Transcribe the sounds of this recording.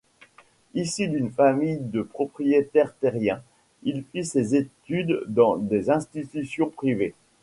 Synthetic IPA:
isid̪ynfamijd̪əpχɔpχijet̪ɛʁt̪eʁjɛ̃ | ilfisezet̪yd̪ːɑ̃d̪ezɛ̃st̪it̪ysjɔ̃pχive

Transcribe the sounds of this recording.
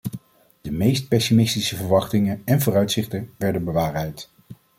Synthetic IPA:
d̥əmejst̚pɛsimɪstisəvəɹʋɑχtɪŋənɛnvʊːɾœɥtsɪχtəʋɛɹdənbəʋaːrɛjt

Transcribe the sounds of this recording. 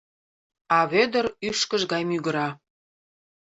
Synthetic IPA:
ɑβed̪əryʃkə̆ʒɡɑjmyɡə̆ɾɑ

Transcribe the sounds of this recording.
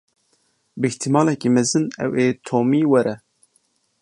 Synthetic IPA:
bɨɪht̪ʰimɑːlɛkiːmɛzɨnɛ̰weːt̪ʰoːmiːwɛɾɛ

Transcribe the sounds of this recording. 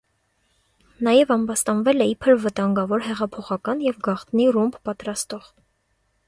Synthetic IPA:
nɑjɛvɑmbɑst̪ɑnvɛlɛipʰəɾvət̪ɑŋɡɑvɔɾɦɛʁɑpʰɔχɑkɑnjɛvɡɑχt̪nirumbpɑt̪ɾɑst̪ɔʁ

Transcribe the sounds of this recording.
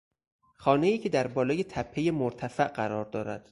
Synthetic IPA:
xɒːne̞jiːcʰed̪æɾbɒːlɒːje̞t̪ʰæpʰːe̞je̞moɾt̪ʰæfæʔɢæɾɒːɾd̪ɒːɾæ̰d̪̥

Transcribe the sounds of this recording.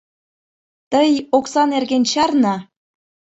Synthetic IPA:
t̪əjoksɑnerɣent͡ɕɑrnɑ

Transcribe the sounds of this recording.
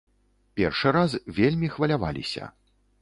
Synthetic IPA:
pʲɛrʂɨɾasvʲelʲmʲixvɐlʲava̰lʲḭsʲɐ̰

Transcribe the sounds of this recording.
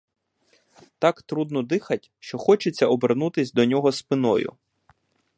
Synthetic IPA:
t̪ɑkt̪ɾud̪nɔd̪ɪxɐtʲʃt͡ʃɔxɔt͡ʃet͡sʲːɐɔbernut̪ɪsʲd̪ɔnʲɔɦɔspɪnɔ̰jʊ̰

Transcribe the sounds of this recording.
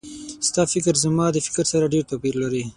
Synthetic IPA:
st̪ɑfɪkɾzəmɑd̪əfɪ̥kɾsaɾaɖeɾt̪apiɾlaɾi

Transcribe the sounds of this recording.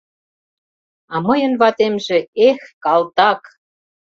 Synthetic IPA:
ɑmɤjə̆nβɑt̪emʒĕexkɑlt̪ɑk

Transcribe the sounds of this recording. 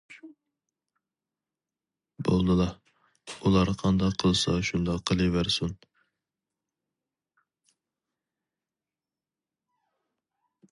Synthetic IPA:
bolˠd̪ɨlˠɑ | ulˠɑɾqʰɑnd̪ɑqʰːəlˠsɑʃund̪ɑqʰːəlˠɨvæɾsun

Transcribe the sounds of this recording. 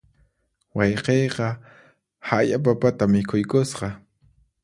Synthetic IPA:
wɑjqejqɑ | hajapapat̪amɪkʰʊjkʊsqɑ

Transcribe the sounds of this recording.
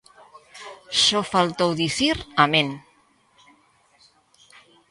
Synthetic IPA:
sɔfalt̪owðiθiɾamẽn

